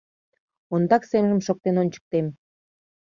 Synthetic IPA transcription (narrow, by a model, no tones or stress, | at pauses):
ond̪ɑksemʒəmʃok̚t̪enont͡ɕə̥k̚t̪em